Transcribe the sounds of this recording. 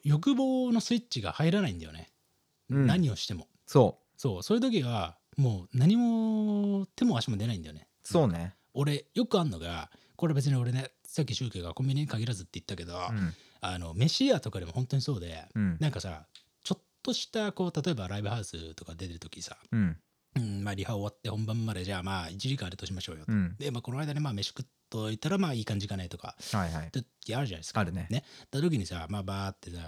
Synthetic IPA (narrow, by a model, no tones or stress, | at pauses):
jo̞k̬ɯ̟bo̞ːno̞sɨit͡ɕːɕiɡa̰haiɾanaĩnd̪ajone̞̰ | naɲ̟io̞ɕi̥t̪e̞mo̞ | soː | so̞ːso̞ːjɯ̟t̪̬o̞k̬ʲiβa | moːnaɲ̟imo̞ | t̪e̞mo̞aɕimo̞d̪e̞naĩnd̪ajone̞ | soːne | o̞ɾe̞jo̞kɯ̟anːo̞ɡa̰ | koɾe̞be̞t͡s̬ɨɲ̟io̞ɾe̞ne̞ | sak̬ʲːiɕɨːke̞ɡakõ̞mbʲiɲ̟iɲikaɡʲiɾazɨt̪ːe̞i̥t̪ːake̞d̪o̞ | ano̞̰me̞ɕiat̪o̞kad̪emo̞hõ̞nt̪o̞ɲiso̞ːd̪e̞̰nãŋkasa̰ | t͡ɕo̞t̪ːo̞ɕi̥t̪ako̞ːt̪at̪o̞e̞baɾaibɯ̟haɯ̟sɨt̪o̞kad̪e̞t̪eɾɯ̟t̪o̞kʲisã | maːɾʲihaoːβat̪ːe̞hõmbãmːad̪eʑaːmaːit͡ɕiɾʲikaaɾet̪o̞ɕimaɕo̞ːjo̞t̪od̪emaːkooaid̪anemaːme̞ɕi̥kɯ̟t̪ːoit̪ːaɾamaːiːkãɲ̟d͡ʑikanait̪o̞ka̰hajat̪ːekʲiaɾɯ̟ʑanaieskaaɾɯnene̞t̪ːat̪okʲiɲ̟isamaːbaːt̪ːe̞sa